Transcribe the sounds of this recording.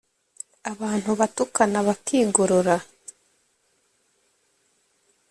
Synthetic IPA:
aβaːn̥huβatukanaβakʰiːɡoɾoɾa

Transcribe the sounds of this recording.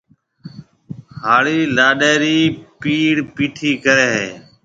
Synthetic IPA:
haːɭiːlaːɗeːɾiːpiːɽpiːʈʰiːkəɾeːɦeː

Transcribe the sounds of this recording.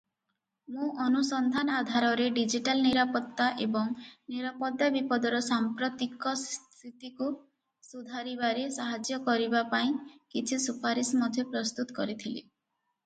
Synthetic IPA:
mũʔɔnusɔnd̪ʱanɔad̪ʱaɾɔɾeɖid͡ʒiʈalniɾapɔt̪ːaʔebɔŋniɾapɔd̪abipɔd̪ɔɾɔsampɾɔt̪ikɔst̪ʰit̪iku | sud̪ʱaɾibaɾesaɦad͡ʒjɔkɔɾibapaĩkit͡ʃʰisupaɾismɔd̪ʱjɔpɾɔst̪ut̪ɔ̥kɔɾit̪ʰilḭ

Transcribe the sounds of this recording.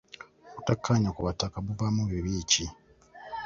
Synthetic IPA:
kutakʰːaɲakuβatakaβuvamuβiβiːci

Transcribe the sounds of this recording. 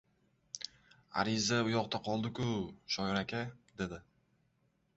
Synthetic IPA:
a̰ɾɪzaʊjɒqt̪aqʰɒlˠd̪ɪkʊʃɒjɾakʲʰad̪̥e̞d̪ɪ

